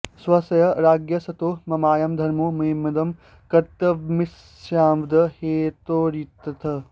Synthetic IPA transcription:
swɐsɐjɐɾaːɡjɐsɐt̪oːmɐmaːjɐmd̪ʱɐɾmoːmɐɦimːɐd̪ɐm | kɐɾt̪ɐmis | aːmd̪ɐheːt̪oːɾiːt̪ːɐt̪ʰɐ

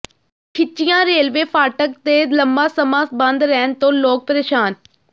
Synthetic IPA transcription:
kʰɪt͡ʃijãːɾeːlʋeːfaːʈək̚t̪elɐmbasɐmaːsbɐ̃nd̪ɾɛɦnt̪õːloːk̚pəɾeːʃaːn

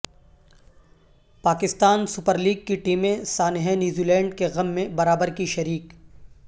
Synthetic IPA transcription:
paːkɪst̪aːnsʊpəɾliːɡ̚kiʈiːmẽsaːnɪɦɛ̃njuːziːlɛ̃ːɳɖkeɣɐmːẽbɐɾaːbəɾkiʃɐɾiːk

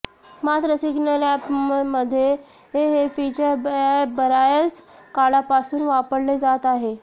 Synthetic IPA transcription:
mat̪ɾəsiɡnəlapməd̪ʱːje | ɦeɦefit͡ɕəɾbəɾajət͡s | kaɭapasuːnʋapəɽled͡zat̪aɦe

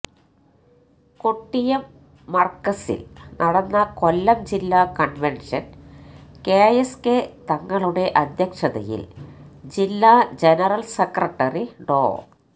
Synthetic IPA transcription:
koʈːijɐmː | ɐrkːɐsḭlnʔɐɽɐnːɐko̞lːɐmd͡ʑilːakɐɳʋenʂɐn | kejesket̪ɐŋːɐɭuɽe̞ʔɐd̪ʱjɐkʂɐðɐ̰jḭld͡ʑilːad͡ʑenɐrɐlsekrɐʈːɐriɖo̰ː

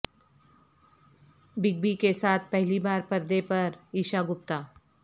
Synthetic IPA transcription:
bɪɡ̚bikesaːt̪̚ʰpɛɦlibaːɾpɐɾd̪epɐɾiːʃaɡʊp̚t̪aː

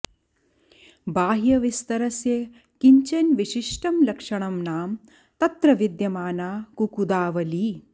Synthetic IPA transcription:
baːɦjɐʋist̪ɐɾɐsjɐ | kiɲt͡ʃɐnʋiʃiʂʈɐmlɐkʂɐɳɐmnaːm | t̪ɐt̪ɾɐʋid̪jɐmaːnaːkukud̪aːʋɐli

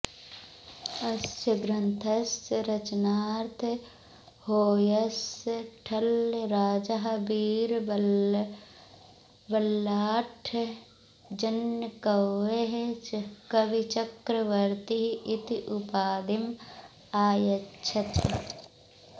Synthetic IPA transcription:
ɐsɐɡɾɐnt̪ʰɐsɾɐt͡ʃnaːɾt̪ʰ | hoːjɐsʈʰɐlɾaːd͡ʒaɦbiːɾ | bɐlːaːʈʰ | d͡ʒɐnkɐweɦkɐʋit͡ʃɐkɾɐʋɐɾt̪iɦʔɪt̪iʔupaːd̪im | aːjɐtːʃʰɐt̪

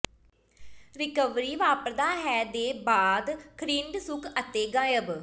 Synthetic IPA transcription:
ɾɪkəʋɾiːʋaːpəɾd̪aːɦɛːd̪eːbaːd̪kʰɾiːɳɖsʊkʰət̪eːɡãːjəb

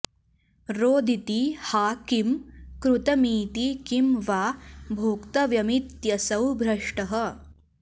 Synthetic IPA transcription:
ɾoːd̪ʱit̪ihaːkimkɾut̪ɐmiːt̪ikimʋaːbʱoːkt̪ɐʋjɐmit̪jɐsɐwbʱɾɐʂʈɐɦɐ̆

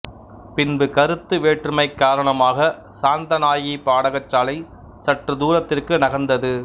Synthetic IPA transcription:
pɪnbɯkɐɾɯt̪ːɯʋeːʈrɯmɐɪkːaːɾɐɳɐmaːɣɐ | saːnd̪ɐnaːjipaːɽɐɣɐt͡ʃːaːlɐɪ | sɐʈrɯd̪uːɾɐt̪ːɪrkɯnɐɣɐnd̪ɐðɯ

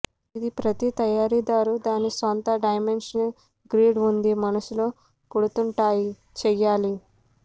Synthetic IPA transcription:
id̪ipɾɐt̪it̪ɐjaːɾid̪aːɾud̪aːnisont̪ɐɖɐjmenʂɐnɐl | ɡɾiːɖund̪imɐnɐsulo̞ː | kuɽut̪uɳʈaːji | t͡ʃɛjːaːli

